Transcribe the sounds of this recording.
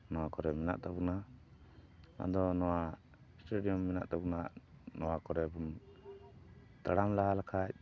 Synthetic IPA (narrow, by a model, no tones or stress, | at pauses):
nɔwakɔɾɛmɛna̰ʔt̪abuna | a̰d̪ɔnɔwa | sʈuɖijɔmːɛna̰ʔt̪abunaʔnɔwakɔɾɛbum | t̪aɽamlaɦalakʰac̚